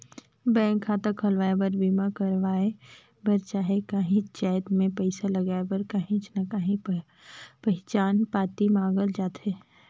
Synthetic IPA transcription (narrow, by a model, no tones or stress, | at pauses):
bɛ̃ːŋkʰːaːt̪əkʰɐlʋaːebɐɾbiːmakɐɾʋaːe | bɐɾt͡ʃaːɦekaːɦĩt͡ʃaːt̪mẽpɛɪsalɐɡaːebɐɾkaːɦĩt͡ʃnakaːɦĩ | pɛɦt͡ʃaːnpaːt̪imãːɡəld͡ʒaːt̪ɦɛː